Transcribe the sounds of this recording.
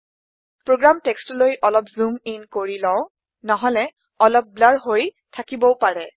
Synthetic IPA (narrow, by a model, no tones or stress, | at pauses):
pɹoɡɹamtɛkstɔlojʔɔlɔpzuminkoɹilɔ̃ʊ̃ | nɔɦɔlɛ | ɔlɔp̚blaɹɦoj | tʰakibɔpaɹɛ